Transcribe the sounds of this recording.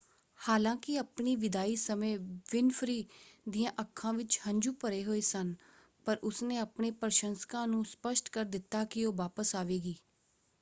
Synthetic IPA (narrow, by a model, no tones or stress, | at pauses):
haːlãːkɪaːpɳiːʋɪd̪aːiːsəmẽːʋɪnfʰɾiːd̪iːãːʔəkʰːãːʋɪt͡ʃhə̃ɲd͡ʒuːpəɾeːɦoːeːsən | pəɾʔʊsnẽːapɳeːpəɾʃənskãːnũːspəʃʈkəɾd̪ɪt̪ːaːkɪoːʋaːpəsaːʋeːɡiː